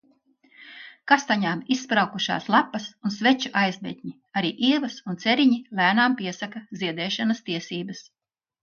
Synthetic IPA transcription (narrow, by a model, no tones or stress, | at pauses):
kast̪aɲaːmisːpɾawkuʃa̰ːslˠapːɐsunsvet͡ʃuʔajzbɛ̰t̪ʲɲi | aɾiːʔiɛvɐsunt̪seɾiɲilæːnaːmpiɛsakaziɛd̪ɛːʃanɐst̪iɛsiːbɐs